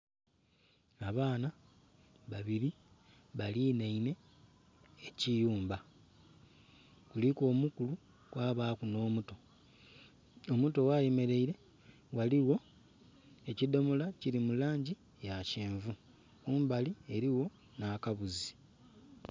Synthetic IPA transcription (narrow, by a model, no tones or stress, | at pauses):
aβaːna | βaβiɾi | βaliːneine̞ː | cijuːmba | kuliko̞ːmukulu | kwaːβaːkuno̞ːmuto̞ | omuto̞wajeme̞ɾe̞iɾe̞ | waliwo̞ | e̞cido̞molaciɾimulaːɲɟi | jaceːɱvu | kuːmbalie̞ɾiwo̞ | naːkaβuzi̥